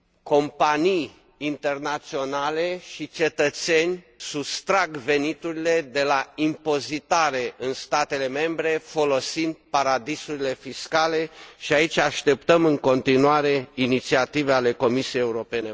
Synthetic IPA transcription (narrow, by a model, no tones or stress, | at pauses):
ko̞mpanijː | nt̪e̞rnat̪sio̞nale̞ʃit͡ʃe̞t̪ət̪se̞nʲ | sust̪ɾaɡve̞nit̪uɾile̞d̪e̞laimpo̞zit̪aɾe̞ʔɨnst̪at̪e̞le̞me̞mbɾe̞fo̞lo̞sind̪̚paɾad̪isuɾile̞fiskale̞ʃiait͡ʃʲaʃt̪e̞p̚t̪əmɨŋko̞nt̪inuaɾe̞init̪siat̪iveale̞ko̞misiejeuɾo̞pe̞ne̞